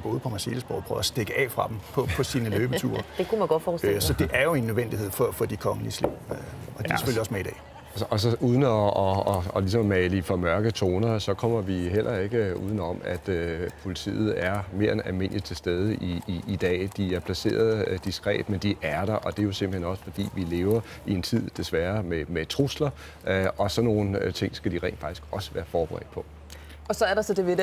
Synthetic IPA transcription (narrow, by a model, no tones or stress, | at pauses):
b̥oːð̩ˠpʰɒ̽mæɐse̝̰ləsb̥ɒ̰ːpʰʁœːʊæsd̥eɡ̥əɛ̰ːfʁɑ̈d̥empʰɒ̽pʰɒ̽siːnəløːb̥ət͡sʰṵːɐ̥ekʰumæɡ̥ɒ̥fɔssɒ̽d̥e̝ʔæɐjo̝e̝nːøðˠʋen̰d̥ihe̝ð̞̰ˠfɒ̽fɒ̽d̥ikʰɒ̽ŋəliəslḭʊ̰øɒ̽d̥isɒ̥fføljɐɒ̽smeid̥ɛ̰ː | sɒ̽uːð̞ˠənəɒɒlis̬ɒ̽mmɛlifɒmɶɐɡ̥ət͡sʰo̝ːnɐsɒ̽kʰɒ̽m̰ɐʋiɦelʔɐe̝ɡ̥əṵːð̞ˠn̩ɒ̽mæd̥øpʰo̝lit͡sʰḭːð̞̩ˠæɐme̝ɐenælme̝n̰li̥t͡sʰe̝lsd̥eːð̞ˠəʔiːd̥ɛ̰ːd̥iæɐpʰlæse̝̰ːɐð̞ˠəd̥isɡ̥ʁɛ̰ːb̥mend̥iʔæɐɾ̥ɑ̈ʔɒ̽d̥e̝jo̝semb̥̩henɒ̽sə̥fɒ̽d̥ḭːʋile̝ːʊɐ | ie̝nt͡sʰið̞̰ˠd̥e̝sʋæɐmemet͡sʰʁuslɐ | ɒ̽sɒ̽no̝ːn̩t͡sʰe̝ŋ̰sɡ̥æd̥iʁɛ̰ːn̥fɑ̈ɡ̥d̥i̥sɡ̥ɒ̽sə̥ʋæːɐfɒːb̥əʁɛ̰ːd̥̚pʰɒ̽ | ɒ̽sɒ̽æɐɾ̥ɑsɒd̥e̝ʋed̥